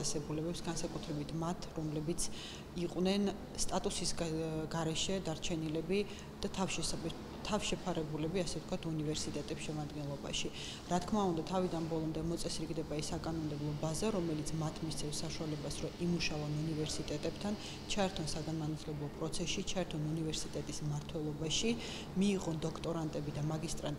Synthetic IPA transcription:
ɛsɛbulɛbɛpsɡansakʼut̪ʰɾɛbit̪ʰmat̪ʰɾɔmlɛbit̪sʰ | iqʼwnɛn | st̪ʼat̪ʼusisɡɡaɾɛʃɛd̪aɾt͡ʃʰɛnilɛbi | d̪̥at̪ʰaʃ | t̪ʰavʃɛpʰaɾɛbulɛbiasɛft̪kʰwat̪ʰunivɛɾsit̪ʼɛt̪ʼɛpsʃɛmad̪ɡɛnlˠɔba̰ʃi | ɾat̪kʰmaund̪at̪ʰavid̪anbɔlˠɔmd̪ɛmɔt̪sʼɛsɾiɡd̪ɛbaisakʼanɔmd̪ɛblˠɔbazaɾɔmɛlit̪sʰmat̪ʰmist̪sʰɛfsːaʃualɛbasɾɔʔimuʃavanunivɛɾsit̪ʼɛt̪ʼɛb̥t̪ʰan | t͡ʃʰaɛɾt̪ʰɔnsaɡanmanat̪ʰlɛblˠɔpʼɾɔt̪sʰɛsʃit͡ʃʰaɛɾt̪ʰɔnunivɛɾsit̪ʼɛt̪ʼismaɾt̪ʰwɛlˠɔbaʃi | miːʁɔnd̪ɔkʰt̪ʼɔɾant̪ʼɛbid̪amaɡist̪ʼɾant̪

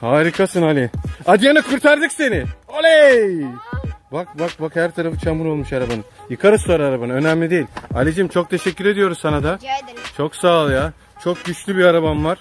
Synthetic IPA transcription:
haːɾikʰasɯnalʲɪad̪ijanɯkʰuɾt̪ʰaɾd̪ɯkse̞nɪolʲe | bak̚bak̚bakhæɾt̪ʰaɾafɯt͡ʃʰamɯɾo̞lˠmuʃaɾabanɯjɯkʰaɾɯsuaɾaɾabanɯø̞næmlʲid̪e̞jilʲa̰lʲid͡ʒimt͡ʃʰo̞k̚t̪ʰe̞ʃɛcʲːyɾe̞d̪ijo̞ɾuzsanad̪at͡ʃʰo̞ksaːlˠɯja | t͡ʃʰo̞k̚ɟyt͡ʃlʲybiaɾaβanvaɾ̥

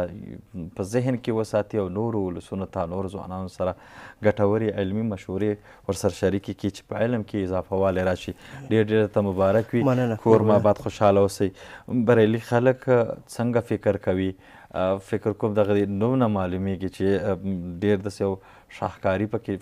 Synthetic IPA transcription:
pəzɪɦnkewəsɑt̪iawnoɾoʊlasunot̪anoɾozwɑ̰nɑnosaɾa | ɡaʈawəɾiʕɪlmimaʃhuɾe | wəɾsaɾaʃaɾikeket͡ʃe̥pəɪlmkʰeɪzɑfawɑleɾɑʃiɖeɾɖeɾt̪amʊbɑɾakwinənakʰoɾmabad̪xoʃɑlawosəjbaɾelixaləkt͡səŋɡafɪkɾkawi | fɪkɾkomd̪aɣad̪enumnamɑlumeɡit͡ʃeɖeɾd̪asejaw | ʃɑ̰xkɑɾipəke

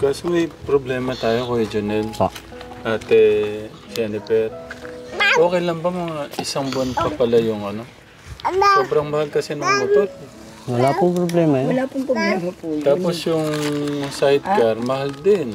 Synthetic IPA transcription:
kasumɛjpɾoblɛːmɐt̪aːjokoɛd͡ʒɐnɛl | ʔat̪ɛ | sanɪpɛt̪̚ | ʔo̞ːkɛjlɐmbɐmɐŋaʔɪsaŋbanpɐpɐlɐjʊŋɐno | soːbɾɐŋmɐhalkɐsɛnʊŋlɐpot̪̚ | wɐlapʊŋpɾoblɛmɐwɐlapʊŋpɛmɐt̪aːposjʊŋsajt̪̚kɐɾmɐhald̪ɪn

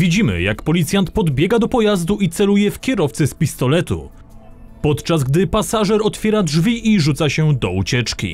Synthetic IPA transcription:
vʲid͡ʑimɘ̰ja̰kpɔlʲit̪sʲjant̪pɔd̪bʲjɛɡad̪ɔpɔjazd̪uit̪sɛlujɛfkʲɛɾɔft̪sɛspʲist̪ɔlɛt̪ṵ | pɔt̪t͡ʂazɡd̪ɘpasaʐɛɾɔt̪fʲjɛɾadʐvʲiʔiʐut̪saɕɛd̪ɔut͡ɕɛt͡ʂkʲḭ

